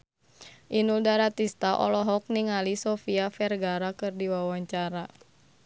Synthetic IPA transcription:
ʔinuldaɾat̪ist̪aʔɔ̰lɔɦɔk̚niŋalisɔfiafɛrɡaɾakɨrdiwawaɲt͡ʃaɾa

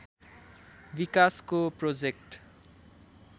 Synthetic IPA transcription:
bikaskoprod͡zekʈ

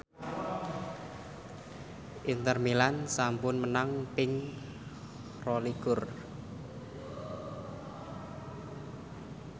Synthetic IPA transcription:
ʔint̪ərmilansampʊnmənaŋpɪŋ | rɔliɡ̥ʊr

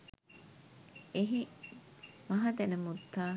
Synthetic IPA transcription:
eɦi | mɐɦɐd̪enemut̪ːaː

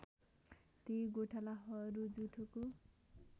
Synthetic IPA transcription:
t̪iɡoʈʰalaɦʌɾud͡zuʈʰuko

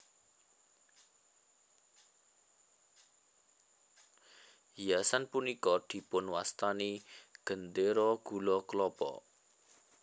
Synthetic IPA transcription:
jasanpunikɔd̪̥i̤pʊnwast̪aniɡ̥ə̤nd̪eɾɔɡ̥ṳlɔklɔpɔ̰

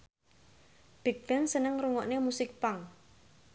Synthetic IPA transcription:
b̥i̤k̚b̥ɛnsənəŋrɾuŋɔʔnemusɪk̚paŋ

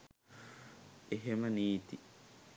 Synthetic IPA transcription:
eɦeməniːt̪i

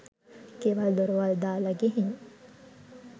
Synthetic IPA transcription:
keʋald̪oɾʋald̪aːlɐɡeɦiɲ

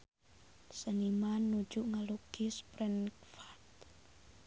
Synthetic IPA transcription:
sənimanːu̥d͡ʒuʔŋaluɡ̥ispɾɛnfat̪

